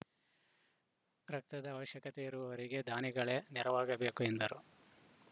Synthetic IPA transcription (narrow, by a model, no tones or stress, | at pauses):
ɾɐk̚t̪ɐd̪ɐːʋɐʃjɐkɐt̪eiɾuʋɐʋɐɾiɡe̞d̪ʱaːniɡɐɭe̞niɾɐʋaːɡɐbe̞ːkue̞nd̪ɐɾu